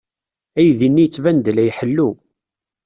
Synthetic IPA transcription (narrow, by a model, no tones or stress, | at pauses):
æjðinːijət͡sːvænd̪læjħəlːu